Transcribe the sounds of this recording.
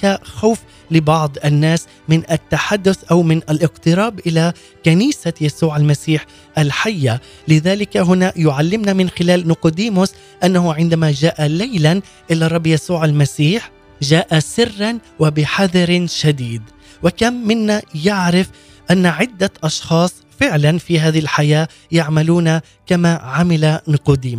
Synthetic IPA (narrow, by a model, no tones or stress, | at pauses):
kaxawf | lɪbɑʕd̪ˤʔanːaːs | mɪnʔat̪ːaħad̪ːʊθʔawmɪnʔalʔɪqt̪ɨɾɑːbʔɪla | kaniːsajasuːʕalmasiːħ | ʔalħajːa | lɪðaːlɪkaɦʊnajʊʕalːɪmnamɪnxɪlaːlnʊqʊd̪iːmʊs | ʔanːahʊʕɪnd̪amad͡ʒaːʔalajlan | ʔɪlːɑrˤɑbːjasuːʕalmasiːħ | ʒaːʔasɪrːanwɪbɪħaðɾʃad̪iːd̪ | wɪkamːɪnːajaʕɾɪf | ʔanːaʕɪd̪ːaʔɑʃxɑːsˤfɪʕlanfiɦaːðɪɪlħajaː | jaʕmaluːna | kamaʕamɪlanɪqud̪iːm